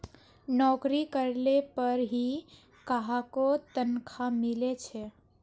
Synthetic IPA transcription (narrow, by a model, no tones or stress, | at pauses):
nɔkɾikəɾlepəɾɦi | kaɦakot̪ənkʰamilet͡ʃʰɛ